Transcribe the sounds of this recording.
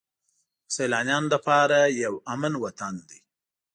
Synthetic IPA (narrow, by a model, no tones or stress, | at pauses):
sajlɑnjɑnlapɑɾajawamənwat̪and̪i